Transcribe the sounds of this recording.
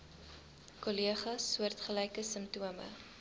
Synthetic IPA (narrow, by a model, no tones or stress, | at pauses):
koliəχɐsːuərtχəlɛjkəsəmtuəmə̰